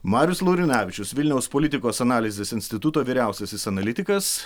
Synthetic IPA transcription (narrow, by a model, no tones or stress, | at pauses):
mɑːɾʲjʊslˠɐʊɾʲɪnʲæːʋʲɪt͡ʃʲʊsʋʲɪlʲnʲɛʊspɔlʲɪt̪ʲɪkoːsɐnɑːlʲɪzʲesɪnʲsʲt̪ʲɪt̪ʊt̪oːʋʲiːɾʲæˑʊsʲɛsɪsɐnɐlʲɪt̪ʲɪkɐs